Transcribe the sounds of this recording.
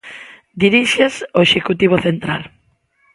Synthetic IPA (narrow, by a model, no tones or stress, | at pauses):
d̪iɾiʃesoeʃekut̪iβ̞oθent̪ɾa̰l